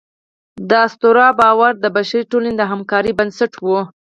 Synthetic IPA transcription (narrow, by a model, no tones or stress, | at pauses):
d̪əast̪oɾɑbɑwaɾd̪əbaʃaɾiʈoled̪əɦamkɑɾibansaʈwu